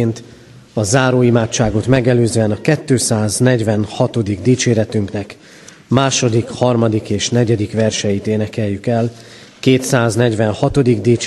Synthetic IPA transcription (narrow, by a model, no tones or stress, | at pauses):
nt̪ | ɒzaːɾoːimaːt͡ʃt͡ʃːaːɡo̞t̪mɛɡɛløːzɛnɒkɛt̪ːøːsaːznɛɟʋɛnhɒt̪o̞d̪iɡd̪iːt͡ʃeːɾɛt̪yŋknɛk | maːʃo̞d̪ikhɒrmɒd̪ikeːʃnɛɟɛd̪ikʋɛrʃɛjit̪eːnɛkɛjːykɛl | keːt̪saːznɛɟʋɛnhɒt̪o̞d̪iɡd̪iːt͡ʃ